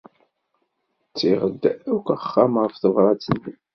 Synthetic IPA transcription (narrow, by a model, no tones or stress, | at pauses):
t͡sːiʁəd̪ːækʷəχːamʁəfθəvɾˤɑt͡sːənː